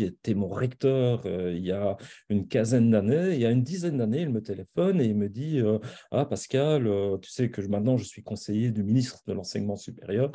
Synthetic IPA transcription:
iet̪ɛmɔ̃ʁɛkt̪œːʁøiljaynkʲɛ̃zɛnd̪aneiljaynd̪izɛnd̪aneilmət̪elefɔneilməd̪iøa̰paskaløt̪y̥sɛkəmɛ̃t̪nɑ̃ʒəsɥikɔ̃sejed̪yminist̪χəd̪əlɑ̃sɛ̰ɲmɑ̃sypḛʁjœːʁ

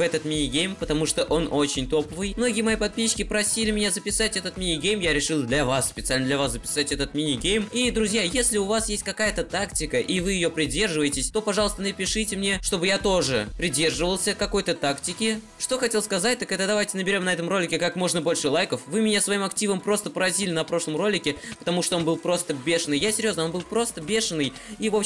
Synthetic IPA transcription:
vɛt̪ət̪mʲinʲɪɡʲejmpət̪ɐmuʂt̪oʔo̞no̞t͡ɕɪnʲt̪o̞pəvɨjmno̞ɡʲɪjəmɐjipɐd̪̚pʲiɕkʲɪpɾɐsʲilʲɪmʲɪnʲazəpʲɪsatʲɛt̪ət̪mʲinʲɪɡʲejmjaɾʲɪʂɨlˠd̪lʲɐvasːpʲɪt̪salʲnəd̪lʲɐvasəpʲɪ̥satʲɛt̪ət̪mʲinʲɪɡʲejmid̪ɾʊzʲjajesʲlʲɪʊvasjesʲt̚ʲkɐkajət̪ət̪aktʲɪkəʔivɨjɪjo̞pɾʲɪdʲe̞rʐɨvəjɪtʲɪsʲt̪o̞pɐʐɑlˠəst̪ənəpʲɪʂɨtʲɪmnʲe̞ʂt̪o̞bɨjat̪o̞ʐɨpɾʲɪdʲe̞rʐɨvəlˠsʲəkɐko̞jt̪ət̪aktʲɪkʲɪ | ʂt̪o̞xɐtʲe̞lˠskɐzat̚ʲt̪əkɛt̪d̪ɐvajtʲɪnəbʲɪɾʲo̞mnɐɛt̪əmro̞lʲɪkʲɪkakmo̞ʐnəbo̞lʲʂɨlˠajkəfvɨmʲɪnʲasvɐimɐktʲivəmpɾo̞st̪əpəɾɐzʲilʲɪnɐpɾo̞ʂlˠəmro̞lʲɪkʲɪpə̥t̪ɐmuʂt̪o̞o̞nbɨlˠpɾo̞st̪əbʲe̞ʂənːɨjjasʲɪɾʲjo̞znəo̞nbɨlˠpɾo̞st̪əbʲe̞ʂənːɨj | ivo̞p

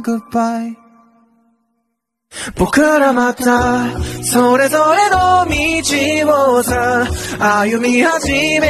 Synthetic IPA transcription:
ɡɯpbaj | b̥okɯɾamat̪asoɾezoɾe̞nomid͡ʑiwozaajɯmihad͡ʑime

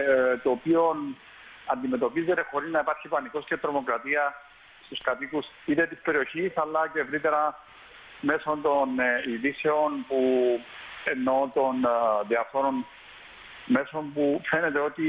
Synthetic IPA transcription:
t̪oːpio̞n | ɐnd̪ime̞t̪o̞pize̞t̪e̞xo̞ɾiznɐipɐɾçipɐniko̞scet̪ɾo̞mo̞kɾɐt̪iɐ | st̪uskɐt̪ikus | it̪et̪ispe̞ɾio̞çisɐlːɐce̞ːvɾit̪e̞ɾɐ | me̞so̞nt̪o̞niðise̞o̞npu | e̞nːo̞t̪o̞nðiɐfoɾo̞n | me̞so̞mpufe̞ne̞t̪e̞o̞t̪i

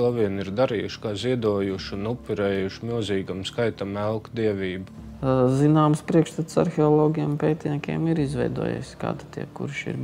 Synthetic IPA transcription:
uʋiɛniɾd̪aɾiːjuʃkaːziɛd̪uɔːjuʃunupʲːuɾɛːjuʃmilˠziːɡamskajt̪amɛlˠkd̪iɛʋʲiːbu | zinaːmspɾiɛkʃt̪at̪sa̰ɾxʲeɔlˠoːɡʲiɛmpeːt̪ʲnʲiɛkʲḛɛmiɾizʋɛ̰jd̪ṵɔjḛjsʲka̰ːd̪at̪ʰʲḭɛkṵɾʃḭɾ

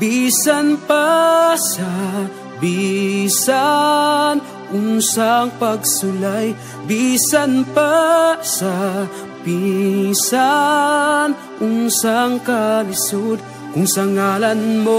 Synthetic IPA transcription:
bisɐnpasɐ | bisa | n | ʔʊnsaŋpɐɡsʊlaj | bisɐnpasɐ | pisa | n | ʔʊnsaŋkɐlɪsod̪̚ | kʊŋsɐŋaːlɐnmo

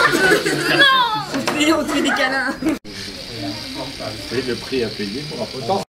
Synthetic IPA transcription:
sisiɔ̃t̪ed̪ekalɛ̃ | iləpχiapeje

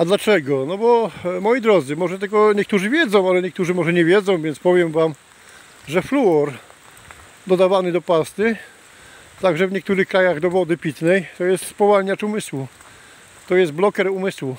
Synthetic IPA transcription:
ad̪lat͡ʂɛɡɔnɔbɔmɔjid̪ɾɔd̪zɘmɔʐɛt̪ɛkɔɲɛkt̪uʐɘvʲjɛd̪zɔ̃w̃alɛɲɛk̚t̪uʐɘmɔʐɛɲɛvʲjɛd̪zɔ̃w̃vʲjɛntspɔvʲjɛmvam | ʐɛfluɔɾ | d̪ɔd̪avanɘd̪ɔpast̪ɘ | t̪aɡʐɛvɲɛk̚t̪uɾɘxkɾajaɣd̪ɔvɔd̪ɘpʲit̪nɛjt̪ɔjɛst̪spɔvalɲat͡ʂumɘswu | t̪ɔjɛst̪̚blɔkɛɾumɘswu

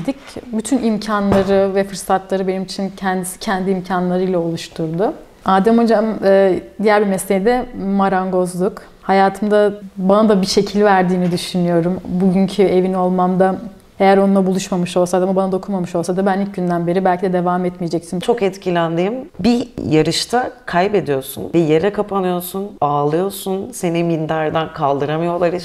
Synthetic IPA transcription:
d̪icbyt̪ʰynimcʰanlˠaɾɯvɛfɯɾsat̪lˠaɾɯbe̞nimit͡ʃʰincʰɛnd̪isi̥cʰɛnd̪iimcʰanlˠaɾɯjlˠao̞lˠuʃt̪ʰuɾd̪ʊ | aːd̪ɛmo̞d͡ʒamɯːd̪ijæɾʲbimɛslejid̪ɛmaɾaŋɡo̞zlˠuk | hajaːt̪ʰɯmd̪abanad̪abiʃe̞cʰilʲvæɾd̪iːnid̪yʃynyjo̞ɾumbuɟyɲcʰye̞vino̞lˠmamd̪a | e̞jæɾo̞nunlˠabulˠuʃmamɯʃo̞lˠsad̪amabanad̪okʰumamɯʃo̞lˠsad̪abænilʲc̚ɟynd̪ænbe̞ɾibælʲcʰid̪ɛd̪e̞vaːmɛt̪mijed͡ʒɛcsint͡ʃʰo̞kɛt̪cʰilʲænd̪iːmbijaɾɯʃt̪ʰakʰajbe̞d̪ijo̞ɾsṵnvɛje̞ɾɛkʰapʰanɯjo̞ɾsunaːlˠɯjo̞ɾsunse̞nimind̪æɾd̪ankʰalˠd̪ɯɾamɯjo̞lˠaɾɯ

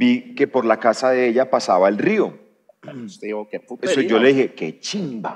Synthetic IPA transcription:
bike̞po̞ɾlakasaðe̞eʎapasaβaelrio̞ | eiokepuesod͡ʒoleðihe̞ket͡ʃimba̰

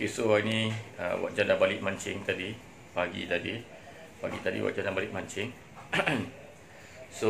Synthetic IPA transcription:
okesoainĩə̰wa̰t̪̚d͡ʒadabalɪʔ̚mãɲt͡ʃɪ̰ŋt̪adi | baɡḭt̪adi | ba̰ɡḭt̪adḭwa̰t̚d͡ʒadabalɪk̚mãɲt͡ʃɪŋ | so

